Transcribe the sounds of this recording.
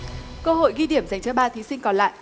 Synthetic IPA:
kə˧ɦo̰˧˨jɣi˧ɗi˧˩əmza˨˩jŋt͡ɕə˧ɓaː˧t̪ʰi˨˦sï˧ŋ̟kɔ˨˦nla̰ː˧˨jʔ

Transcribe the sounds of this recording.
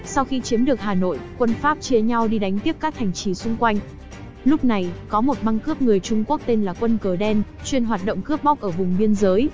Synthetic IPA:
sa˧wxi˧t͡ɕi˨˦mɗɨ˨˩ək̚ɦaː˨˩no̰˧˨jkwə˧nfaː˦˥p̚t͡ɕe˧ɲa˧wɗi˧ɗa˨˦jŋ̟t̪i˦˥əp̚kaː˦˥k̚ha˨˩jŋ̟t͡ɕi˨˦sʊ˧ŋ͡mkwa˧jŋ̟ | lʊ˦˥k͡p̚na˨˩jkɔ˨˦mo˨˩t̚ɓa˧ŋkɨ˦˥əp̚ŋɨ˨˩əjt͡ɕʊ˧ŋ͡mku˦˥ək̚t̪e˧nlaː˨˩kwə˧nkəː˨˩ɗɛ˧nt͡ɕwi˧ənɦwaː˨˩t̚ɗo̰˧˨wŋ͡mkɨ˦˥əp̚ɓa˦˥k͡p̚ʔəː˧˩vʊ˨˩ŋ͡mɓi˧ənzəː˨˦j

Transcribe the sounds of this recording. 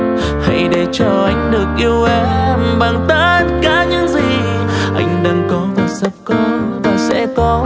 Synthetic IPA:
ha˧˥jɗe˧˩t͡ɕɔ˧ʔa˨˦jŋ̟ɗɨ˨˩ək̚ʔi˧əwʔe˨˧˦mɓaː˨˩ŋt̪əː˧˥nkaː˨˦ɲɨ̰˧˥ŋzi˨˩ | ʔa̰˧jŋ̟ɗaː˧ŋkɔ˨˦vaː˨˩sə˧˩p̚kɔ˨˦vaː˨˩sɛ̰˧˥kɔ˨˦

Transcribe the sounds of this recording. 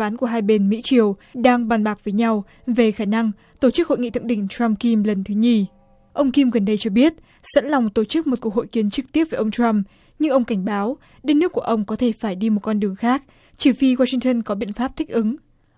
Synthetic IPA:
aː˨˦nku˧˩əɦaː˧jɓe˧nmḭ˧˥t͡ɕi˨˩əwɗaː˧ŋɓa˨˩nɓaː˨˩k̚vəː˨˦jɲa˧w | ve˨˩xaː˧˩na˧ŋ | t̪o˧˩t͡ɕɨ˦˥k̚ho̰˧˨jŋḭ˧˨t̪ʰɨ˧˨ŋɗï˧˩ŋ̟t͡ɕɹa˧mki˧mlə˨˩nt̪ʰɨ˨˦ɲi˧˩ | ʔə˧wŋ͡mki˧mɣə˨˩nɗə˧jt͡ɕɔ˧ɓi˦˥ət̚ | sə̰˧˥nla˨˩wŋ͡mt̪o˧˩t͡ɕɨ˦˥k̚mo˨˩t̚ku˧˩əho̰˧˨jki˨˦ənt͡ɕɨ˨˩k̚t̪i˦˥əp̚vəː˨˩˦ʔə˧ŋ͡mt͡ɕwa˧m | ɲɨ˧ŋʔə˧wŋ͡mka˧˩jŋ̟ɓaː˨˦w | ɗe˨˦nɨ˦˥kːu˧˩əʔə˧wŋ͡mkɔ˨˦t̪ʰe˧˩faː˧˩jɗi˧mo˨˩t̚kɔ˧nɗɨ˨˩əŋxaː˦˥k̚ | t͡ɕi˧˩fi˧ɣwaː˧sï˧ŋt̪ə˧nkɔ˨˦ɓḭ˧˨ənfaː˦˥p̚t̪ʰï˦˥k̟̚ʔɨ˨˦ŋ

